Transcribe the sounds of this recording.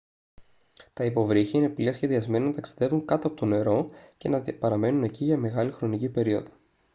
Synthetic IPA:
t̪ɐipo̞vɾiçiine̞pliɐsçeðiɐzme̞nɐnɐt̪ɐksi̥ðe̞vuŋkɐt̪oɐpot̪o̞ne̞ɾo̞ce̞nɐpɐɾɐme̞nune̞ciʝɐme̞ɣɐlixɾo̞nicipe̞ɾio̞ðo̥

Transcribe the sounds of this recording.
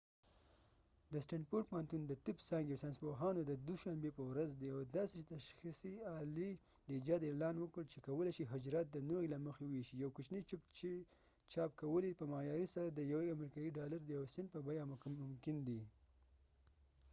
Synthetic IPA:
d̪əsʈaɳɖpoʈpohant̪und̪ət̪ɪpsɑŋɡewsanspoɦɑnod̪əd̪uʃambepəwɾazd̪iawd̪ɑset̪aʃxisiɑli | d̪əid͡ʒɑd̪elɑnwəkəɽt͡ʃekawəlajʃiɦʊd͡ʒɾɑt̪̚d̪ənoɣilaməxewweʃijawkʊt͡ʃnit͡ʃʊpt͡ʃ | t͡ʃɑp̚kawəlipəmɑjɑɾisaɾad̪əjaweamɾikɑjiɖɑlaɾd̪əjawsɪnpəbajammʊmkɪnd̪i

